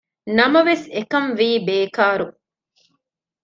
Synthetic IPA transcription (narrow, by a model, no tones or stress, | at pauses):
nɐmɐʋesekɐnʋiːbeːkaːɾu